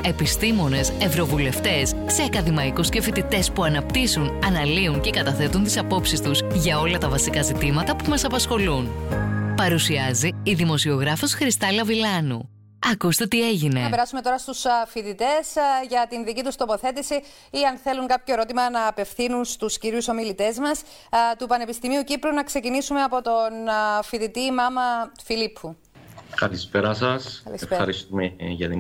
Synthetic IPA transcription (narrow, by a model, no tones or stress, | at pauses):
e̞pist̪imo̞ne̞se̞vɾo̞vule̞ft̪e̞sːe̞ɐkɐðimɐikuscefit̪it̪e̞spuɐnɐp̚t̪isunɐnɐliunce̞kɐt̪ɐθe̞t̪unt̪isɐpo̞psist̪uzʝɐo̞lɐt̪ɐvɐsikɐzit̪imɐt̪ɐpumɐsɐpɐsxo̞lunpɐɾusiɐziːðimo̞sio̞ɣɾɐfo̞sxɾist̪ɐlɐvilɐnṵ | ɐkust̪e̞t̪ie̞ʝine̞ɐ̰pe̞ɾɐsume̞t̪o̞ɾɐst̪usfiðit̪e̞sʝɐt̪inðicit̪ust̪o̞po̞θe̞t̪isi | iɐnθe̞luŋkɐpçoe̞ɾo̞t̪imɐnɐːpe̞fθinunst̪usciɾjuso̞milit̪e̞zmɐs | t̪upɐne̞pist̪imiucipɾunɐksecinisume̞ɐpo̞t̪o̞nfiðit̪imɐmɐfilipʰu | kɐlispeɾɐsɐsɐlisefɐɾist̪umeʝɐt̪i